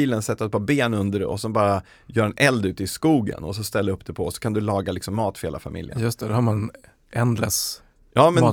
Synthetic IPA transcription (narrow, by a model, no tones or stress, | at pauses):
iːlənsɛt̪ːɾɛt̪̚pʰɔbeːnɵnd̪əɾɛ̰ɔ̰sɛnbɑːɾa | jœːɾɛnɛld̪ʉ̟ːt̪ɪskuːɡə̰nɔsɔst̪ɛlːdɵpːd̪ɛpʰɔɔsɔ̥kʰand̪ɵlɑːɡalɪksɔmːɑːt̪fɾheːla̰fa̰mʔɪ̰ljə̰njɵst̪ɛd̪haɾman | ɛnd̪lə̰s | jɑːmɛn